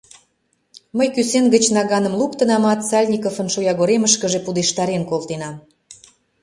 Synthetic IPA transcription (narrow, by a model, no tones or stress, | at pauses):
məjkysenɡə̆t͡ɕnɑɣɑnə̆mlˠukt̪ə̆nɑmɑt̪sɑlʲnʲikofə̆nʃojɑɣoɾeməʃkə̆ʒepud̪eʃt̪ɑɾenkolt̪enɑm